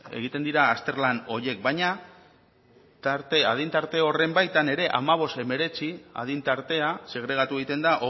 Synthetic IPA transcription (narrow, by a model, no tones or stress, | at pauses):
e̞̰ɣ̞it̪e̞nd̪iɾaːst̪e̞ɾlano̞je̞k̚bajɲa | t̪aɾt̪e̞að̞int̪aɾt̪e̞o̞re̞mbajt̪ane̞ɾe̞ʔa̰maβ̞o̞st̪e̞me̞ɾe̞t͡sia̰ð̞int̪aɾt̪e̞ase̞ɣ̞ɾe̞ɣ̞at̪ueɣit̪e̞nd̪aʔo